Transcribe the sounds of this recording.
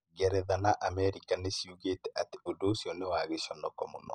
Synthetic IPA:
ɡɛɾɛðanaʔamɛɾikanesiuɣetɛʔateodosjɔnewaɣeʃɔnɔkɔmɔ̰nɔ̰

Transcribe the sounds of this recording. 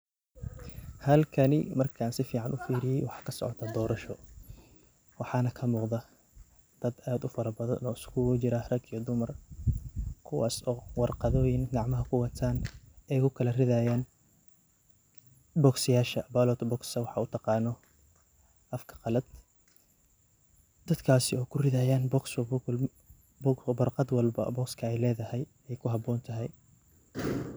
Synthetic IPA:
hɐlkʰɐnɪmɐrkʰaːnsɪfiːʕɑnʔʊfiːɾɪjɛjwɑħɑ̥ːkʰɐsɔ̰ʕɔ̰t̪ʰad̪ɔːɾɐʃɔ | wɑħɑːnɐkʰɐmuːqðɐ | d̪̥ɐd̪aːd̪ʊfɐɾɐbɐðɐ̰nɔ̰ːɪskʰʊt͡ʃɪɾɐhrɐɡijɔd̪ʊmɐr | kʰʊwɑ̰ːsɔːwɑrqɑðɔːjɪŋɡɑʕmɐɦɐkʰʊwɐt̪ʰaːnɛjkʰʊkʰɐlɐrɪðaːjaːn | bɔːɡsɪjaːʃɐbaːlɔːt̪ʰbɔːksɐwɑħɑut̪ʰɑqɑːnɔ | ʔɐfkʰɐ̥qɑlɐd̪̥ | d̪̥ɐd̪kʰaːsɪɔːkʰʊrɪðaːjaːnbɔks | bwɐrqɑd̪wɑlbɐ̰bɔːkskʰɐɛjlɛːðɐhɛj | ɛjkʰʊɦɑbɔːnt̪ʰɐɦɛj

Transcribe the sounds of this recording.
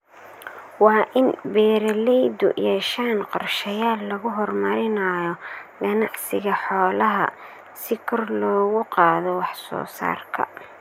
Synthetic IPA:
wɑːʔɪnbɛːɾɐlɛjd̪ʊ̰jɛːʃaːnqɔrʃɐjaːlːɐɣʊɦɔrmɐɾɪnɐjɔɡɐnɑʕsɪɣɐħɔːlɐɦɐ̰ | sɪkʰɔrlɔːɣʊqɑːðɔwɑħsɔ̰ːsa̰ːrkʰɐ̰

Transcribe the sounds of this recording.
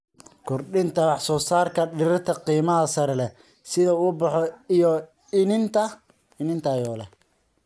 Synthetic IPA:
kʰɔrɗɪnt̪ʰɐwɑħsɔːsaːrkʰɐɖɪɾɪt̪ʰɐqiːmɐɦɐsɐɾɛlɛ | sɪðɐʊbɑħɔijɔ | ɪnɪnt̪ʰɐ | ɪnɪnt̪ʰɐajɔːlɛ

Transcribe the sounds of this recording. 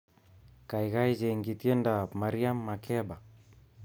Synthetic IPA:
kaiɣaid͡ʒɛŋɡitjɛndamaɾiamːakɛba

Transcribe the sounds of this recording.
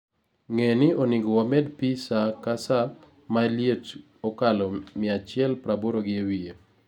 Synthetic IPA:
ŋenɪonɪɡɔwamɛdpisakasa | maljet | ɔkalɔmɪat͡ʃɪɛlpɾaboɾoɡɪewie

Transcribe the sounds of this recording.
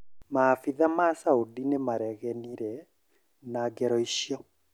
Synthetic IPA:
maːfiðamasaudinemaɾɛɣɛniɾɛ | naɡɛɾɔiɕjɔ

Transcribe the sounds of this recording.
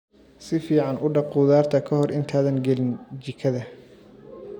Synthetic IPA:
sɪfiːʕɑnʔʊɖɑqʊðaːrt̪ʰɐkʰɐhɔrʔɪnt̪ʰaːðɐŋɡɛlɪnt͡ʃɪkʰɐðɐ

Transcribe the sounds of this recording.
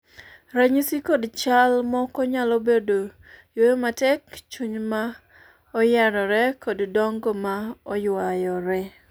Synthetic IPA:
ɾaɲisikodt͡ʃalmɔkɔɲalobedo | jojomatɛkt͡ʃuɲma | ɔjɛɾɔɾɛkoddɔŋɡɔmaɔjwajɔɾɛ

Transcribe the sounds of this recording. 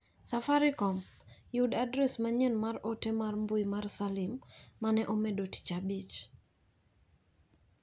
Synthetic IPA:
safaɾɪkɔmjudadɾɛsmaɲɛnmarotemarmbʊjmarsalɪmːanɛʔomedoti̥t͡ʃabit͡ʃ

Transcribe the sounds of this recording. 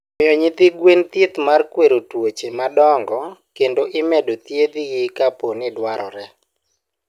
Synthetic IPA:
mɪɔɲɪd̪ɪɡwent̪jet̪markweɾotwot͡ʃemadɔŋɡɔkendoʔɪmɛdot̪jed̪ijɪkaponɪdwaɾɔ̰ɾɛ

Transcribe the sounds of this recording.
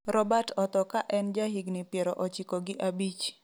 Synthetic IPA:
ɾɔbatʰɔt̪ɔkaʔɛnd͡ʒaɦiɡnɪpjeɾɔʔɔt͡ʃɪkɔɡɪʔabit͡ʃ

